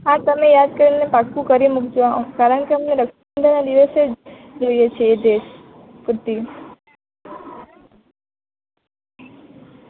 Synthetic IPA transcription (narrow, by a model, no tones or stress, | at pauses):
at̪əmejad̪̚kəɾinepakũkəɾimukd͡ʒʋãkaɾəɳ̃keəmneɾəkʃ | nd̪ʱanad̪iʋəsed͡ʒ | d͡ʒoijet͡ʃʰeːd̪eʃ | kɾt̪i